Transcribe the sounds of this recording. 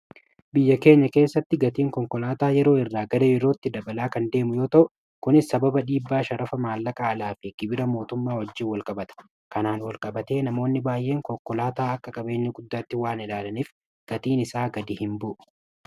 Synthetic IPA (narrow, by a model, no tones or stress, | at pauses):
bɪjːɐke̞ːɲːɐke̞ːsːɐt̪ːɪɡɐt̪iːŋkɔŋkɔlaːt̪aːjɛɾo̞ːɪrːaːɡɐdɐjɛɾo̞ːt̪ːɪd̪ɐbɐlaːkɐnd̪e̞ːmʊjo̞ːt̪ɐʔʊ | kʊnɪsɐbɐbɐᶑiːbːaːʃɐɾɐfɐmaːlːɐkʼaɐlaːfɪɡ̥ɪbɪɾɐmo̞ːt̪ʊmːaːwɐd͡ʒːɪːnwɐlkʼɐbɐt̪ɐ̥ | kɐnaːnwɐlkʼɐbɐt̪e̞ːnɐmo̞ːnːɪbaːjʔe̞ːŋkɔkːɔlaːt̪aːɐkːɐkʼɐbe̞ːɲːɐɡʊd̪ːaːt̪ːɪwaːnɪlaːlɐniːf | ɡ̥ɐt̪iːnɪsaːɡɐd̪ɪhɪmbʊʔʊ̥